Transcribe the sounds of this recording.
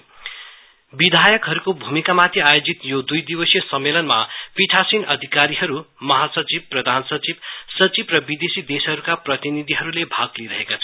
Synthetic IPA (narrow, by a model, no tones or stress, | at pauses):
bid̪ʱajʌkɦʌɾukobʱumikamat̪ʰiajod͡zit̪jod̪ujd̪ibʌsjʌsʌmːelʌnma̰piʈʰasinʌd̪ʱikaɾiɦʌɾu | mʌɦasʌt͡sib̚prʌd̪ʱansʌt͡sib̚sʌt͡sibrʌbid̪esid̪esɦʌɾukaprʌt̪inid̪ʱiɦʌɾulebʱaɡliɾʌɦekat͡sʰʌ